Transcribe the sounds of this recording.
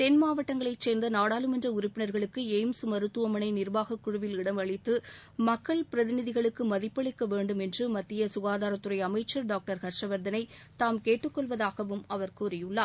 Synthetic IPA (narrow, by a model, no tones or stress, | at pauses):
t̪ɛnmaːʋɐʈːɐŋɡɐɭɐɪt͡ʃeːnd̪ɐnaːɽaːlɯmɛndrɐʊɾʊpːɪnɐɾɣɐɭɯkːɯeːmsmɐɾɯt̪ːɯʋɐmɐnɐɪnɪɾʋaːɣɐkːʊɻʊʋɪlɪɽɐmɐɭɪt̪ːɯmɐkːɐɭpɪɾɐðɪnɪðɪɣɐɭɯkːɯmɐðɪpːɐɭɪkːɐʋeːɳɖɯmɛndrɯmɐt̪ːɪjɐsʊɣaːðaːɾɐt̪ːɯɾɐɪɐmɐɪt͡ʃːɐɾɖaːk̚ʈɐɾkɐɾʂɾɐʋɐɾd̪ɐnɐɪt̪aːmkeːʈːɯkːɔɭʋɐðaːɣɐʋɯmɐʋɐɾkuːɾɪjɯɭːaː